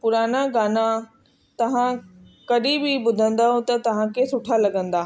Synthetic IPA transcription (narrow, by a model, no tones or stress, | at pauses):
pʊɾaːnaɡaːna | t̪ɐʋ̤ã | kɐɗibɪbʊd̪ʱə̃nd̪aɦõt̪ɐt̪ɐʋ̤ãkʰesʊʈʰalɐɡə̃nd̪aː